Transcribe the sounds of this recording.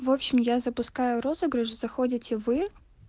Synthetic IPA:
vopɕɪmjazɐpʊskajʊɾo̞zəɡɾɨʂzɐxodʲɪtʲɪvɨ

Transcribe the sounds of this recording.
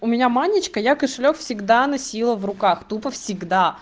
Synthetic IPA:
ʊmʲɪnʲamanʲɪt͡ɕkəjakəʂɨlʲokfsʲɪɡd̪anɐsʲilˠəvrʊkaxt̪upəfsʲɪɡd̪a

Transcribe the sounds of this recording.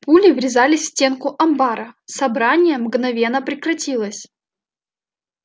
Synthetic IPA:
pulʲɪvɾʲɪzalʲɪsʲtʲe̞nkʊʔɐmbaɾəsɐbɾanʲɪjəmɡnɐvʲe̞nːəpɾʲɪkɾɐtʲilˠəsʲ

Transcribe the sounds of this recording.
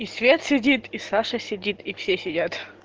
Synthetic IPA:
isʲvʲet̪sʲɪdʲit̪isaʂəsʲɪdʲit̪ʰifsʲesʲɪdʲat̪

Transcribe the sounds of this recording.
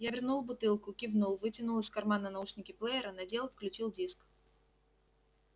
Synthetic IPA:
javʲɪrnulˠbʊt̪ɨlˠkʊkʲɪvnulˠvɨtʲɪnʊlˠɨskɐrmanənɐuʂnʲɪkʲɪplˠəɪɾənɐdʲe̞lˠfklʲʉt͡ɕilˠdʲisk

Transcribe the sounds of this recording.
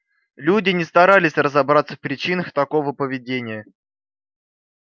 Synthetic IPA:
lʲudʲɪnʲɪst̪ɐɾalʲɪsʲrəzɐbɾat̪səfpɾʲɪt͡ɕinəxt̪ɐko̞vəpəvʲɪdʲenʲɪjə

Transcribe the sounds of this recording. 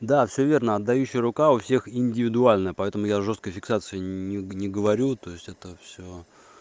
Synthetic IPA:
d̪afsʲɵvʲe̞rnəɐd̪ːɐjʉɕːɪjəɾʊkaʊfsʲe̞xɪnʲdʲɪvʲɪd̪ʊalʲnəjəpɐɛt̪əmʊjaʐost̪̚kəjfʲɪksat̪sɨɪnʲɪnʲɪɡəvɐɾʲut̪o̞ɪsʲtʲɛt̪əfsʲo

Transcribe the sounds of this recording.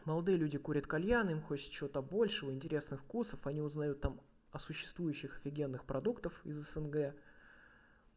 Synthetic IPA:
məlˠɐd̪ɨjəlʲudʲɪkuɾʲət̪kɐlʲjanimxo̞t͡ɕɪ̥t̪̚t͡ɕɪvo̞t̪əɐbo̞lʲʂəvəɪnʲtʲɪɾʲe̞snɨxfkusəfɐnʲiʊznɐjut̪ːam | ɐsʊɕːɪ̥st̪vujʉɕːɪxɐ̥fʲɪɡʲe̞nːɨxpɾʔɐd̪ukt̪əfɪ̰zəsɛnɡɛ

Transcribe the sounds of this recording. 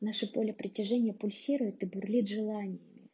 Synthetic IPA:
naʂɨpolʲɪpɾʲɪtʲɪʐɛnʲɪjəpʊlʲsʲiɾʊjʊt̪ɨbʊrlʲit̪ʐɨlˠanʲɪjɪmʲɪ

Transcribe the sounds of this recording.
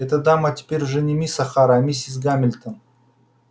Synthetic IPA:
ɛt̪əd̪amətʲɪ̥pʲeɾʲʐɨnʲimʲisɐxaɾamʲisʲis̬ɡamʲɪlʲt̪ən

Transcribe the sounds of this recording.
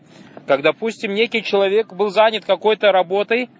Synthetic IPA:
kaɡd̪apusʲtʲɪmnʲekʲɪjt͡ɕɪlˠɐvʲe̞kbɨlˠzanʲɪt̪kɐko̞jt̪əɾɐbo̞t̪əj

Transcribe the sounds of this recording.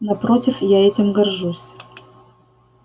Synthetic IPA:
nɐpɾo̞tʲɪfjaɛtʲɪmɡɐrʐusʲ

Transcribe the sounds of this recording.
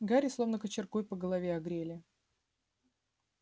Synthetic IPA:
ɡaɾʲɪslˠo̞vnəkət͡ɕɪrkojpəɡəlˠɐvʲeɐɡɾʲelʲɪ

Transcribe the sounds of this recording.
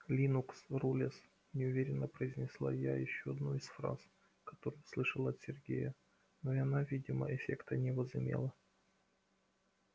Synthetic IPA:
lʲinuksrulʲɪs | nʲɪʊvʲeɾʲɪnːəpɾəɪzʲnʲɪslˠa̰jajɪɕːoɐd̪nuɪsfɾa̰s | kɐ̥t̪o̞ɾʊjʊslˠɨʂəlˠəɐt̪sʲɪrɡʲḛjə | noɐnavʲidʲɪmə̰ʔɪfʲekt̪ənʲɪvəzɨmʲḛlˠə

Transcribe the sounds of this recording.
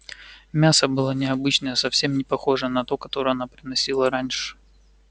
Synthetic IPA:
mʲasəbɨlˠanʲɪɐbɨt͡ɕnəjəsɐfsʲe̞mnʲɪpɐxo̞ʐənɐt̪o̞kɐt̪o̞ɾəjɐnapɾʲɪnɐsʲilˠəɾanʲʂɨ̥

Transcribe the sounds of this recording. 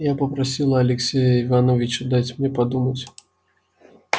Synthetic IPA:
japɐpɾasʲilˠɐɐlʲɛksʲɛjɐivanɔvʲit͡ʃʊd̪at͡sʲmnʲɛpad̪umɐt͡sʲ

